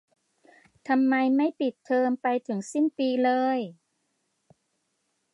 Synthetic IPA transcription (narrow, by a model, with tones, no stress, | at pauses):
t̪ʰa˧mːa˧jma˥˩jpi˨˩t̪ʰːɤː˧mpa˧jt̪ʰɯ˩˦ŋsi˥˩npiː˧lɤː˧j